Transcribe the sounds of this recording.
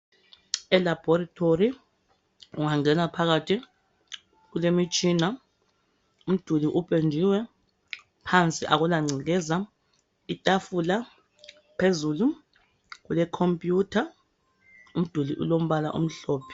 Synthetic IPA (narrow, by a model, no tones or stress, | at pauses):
ɛlab̥ʱɔratʰori | uŋaŋɛnapʰaɣatʰi | ɣ̬ulemit͡ʃʼiːna | um̩d̥ʱuliʔupʼend͡ʒʱiwɛ | pʰant͡sʼiʔa̰ɣulaŋ͡ǀiŋɛza | itʼafula | pʰezulu | ɣ̬ulɛkʰompʼjuːtʰa | um̩d̥ʱuliʔṵlom̩βala̰ʔṵm̩ɬɔːpʰɛ̥